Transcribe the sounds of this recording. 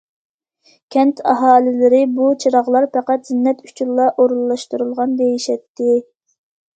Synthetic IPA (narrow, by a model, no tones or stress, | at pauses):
kʲʰɛnt̪ʰɑ̰ɦɑːlɪlɪɾɪbut͡ʃʰɨɾɑʁlˠɑɾpæqæt̪zɪnːɛt̪y̥t͡ʃʰulːɑʔoɾulˠːɑʃt̪uɾulˠʁɑnd̪ejiʃɛt̪ːɪ